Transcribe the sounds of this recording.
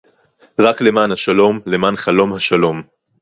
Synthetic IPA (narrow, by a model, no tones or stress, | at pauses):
ʁakle̞maːnhaʃalo̞mle̞maːnχalo̞mhaʃalo̞m